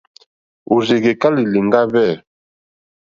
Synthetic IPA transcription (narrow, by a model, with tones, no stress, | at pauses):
o˨ze˨ɡe˨ka˦li˨li˨ŋɡa˦βɛ˦˨